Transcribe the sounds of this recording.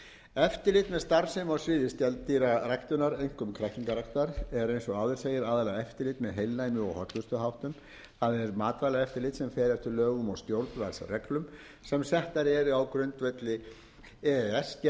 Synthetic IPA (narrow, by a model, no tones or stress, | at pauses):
ɛft̪ɪɾlɪːt̪mɛðst̪aɾsɪmawsvɪːðɪst̪ɛlt̪iɾarajkt̪ʏnaɾejŋ̥kʏmkʰɾaht̪iŋkaɾajkt̪aɾɛɾejnsɔaːðʏɾ̥seːjɪɾaːðalaɛft̪ɪlɪːt̪mɛðɦejlnajmɪɔ̰whɔt̪lʏst̪ʏɦawht̪ʏm | θaðɛɾmaːt̪valaɛft̪ɪɾlɪːt̪sɛmfɛːɾɛft̪ʏɾlœːɣʏmawst̪jowɾt̪nvalsrɛklʏm | sɛmsɛht̪aɾɛɾʏawkɾʏnt̪vɛt̪lɪ | ɛɛsc